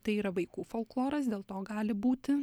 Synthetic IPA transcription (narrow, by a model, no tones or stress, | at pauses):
t̪ɐɪiːɾɐʋɐɪkuːfoːlˠklˠoːɾɐs̬d̪ʲeːlˠt̪oːɡɑːlʲɪbuːt̪ʲɪ